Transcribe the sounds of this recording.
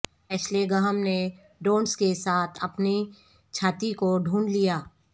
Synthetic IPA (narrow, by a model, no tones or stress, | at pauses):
pɛt͡ʃleɡəɦəmne | ɖoːnskesaːt̪ʰɐpni | t͡ʃʰaːt̪ikoɖʱuːnlijaː